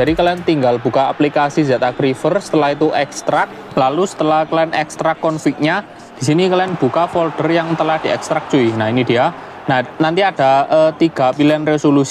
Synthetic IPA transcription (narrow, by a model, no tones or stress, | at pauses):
d͡ʒaɾikəlant̪iŋɡalb̥ṳkaːplikasizat̪akɾifərsə̥t̪əlahit̪uʔɛkst̪ɾak̚ | lalusə̥t̪əlahkəlaənɛkst̪ɾakːɔnfik̚ɲa | d̥i̤s̬inikəlaənb̥ṳkafɔlɖ̥ərjaŋt̪əlahd̥i̤ɛkst̪ɾak̚d̥d͡ʒ̥uinainid̪̥ija | nanant̪iad̥a̤ət̪iɡ̥a̤bilɛnresolus